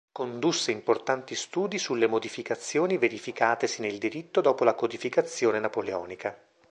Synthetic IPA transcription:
kond̪usːeimport̪ant̪ist̪uːd̪isulːemod̪ifikat̪sːjoːniveɾifikaːt̪esineld̪iɾit̪ːod̪ɔːpolakod̪ifikat̪sːjoːnenapoleɔ̰ːnika

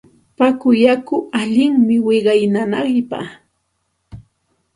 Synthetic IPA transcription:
pakʊjakʊaʎɪŋmɪwɪɢɑjnanɑɢjpa̰

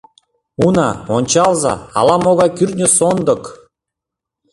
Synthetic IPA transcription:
unɑ̰onʲt͡ɕɑlˠzɑ̰ɑ̰lˠɑmoɣɑkʲyrnʲəsond̪ɤ̆k

